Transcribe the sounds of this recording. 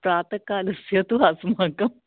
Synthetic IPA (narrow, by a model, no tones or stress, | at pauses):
pɾaːt̪əkaːləsjɐt̪uasmakɐm